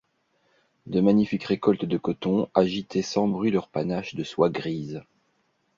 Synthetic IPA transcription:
d̪əmaɲifikʁekɔlt̪d̪əkɔt̪ɔ̃aʒit̪ʰɛsɑ̃bʁɥilœʁpanaʃd̪əswaɡʁiːz

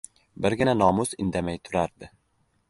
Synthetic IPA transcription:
bɪɾɡʲɪnanɒmʊsɪnd̪amajt̪ʰʊɾaɾd̪ɪ

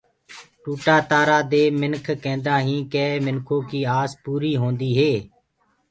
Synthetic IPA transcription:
ʈuːʈaːt̪aːɾaːd̪eːmɪnkʰkẽːnd̪aːɦĩːkeːmɪnkʰõːkiːaːspuːɾiːɦõːnd̪iːɦeː

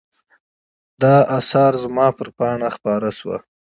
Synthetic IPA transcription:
d̪ɑasɑɾzmɑpəɾpɑɳaxpɑɾaʃwa̰

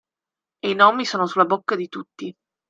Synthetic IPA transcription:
einɔmːisoːnosulːabokːad̪it̪ut̪ːi

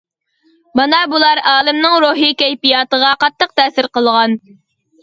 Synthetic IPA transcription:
mɑnɑbulˠɑɾɑːlˠɨmnɨŋɾuɦikʲɛjpijɑːt̪əʁɑqɑt̪ːəq̚t̪ʰɛːsɪɾqəlˠʁɑn

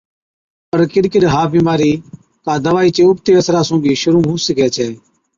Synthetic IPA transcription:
pəɾkɪɗkəɗɦaːbiːmaːɾiː | kaːd̪əʋaːiːt͡ʃeːʊp̚t̪eːəsɾaːsũːɡiːʃʊɾũːɦũːsəkɛːt͡ʃʰɛː

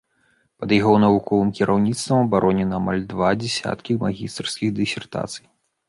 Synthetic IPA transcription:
pɐd̪jaɣɔwnɐvukɔvɨmkʲiɾawnʲit̪st̪vɐmɐbaɾʔɔnʲɛnɐːma̰lʲd̪vad͡zʲɛsʲa̰t̪kʲimaɣʲist̪rskʲiɣd̪ɨsʲɛrt̪a̰t̪sɨ̥j

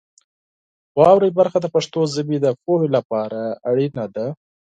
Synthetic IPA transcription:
wɑwɾajbaɾxad̪əpaʂt̪ozəbid̪əfohelapɑɾaːɽinad̪a

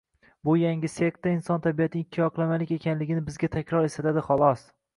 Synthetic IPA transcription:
bʊjaŋʲɪsek̚t̪ːaɪnsɒnt̪ʰabijat̪ʰɪnɪkʲʰːijɒqʰɨlˠamalɪkʲe̞kʲʰanlɪɡʲɪnɪbɪzɡʲat̪ʰakʲɾɒɾest̪at̪ʰad̪ɪχɒlˠɒs

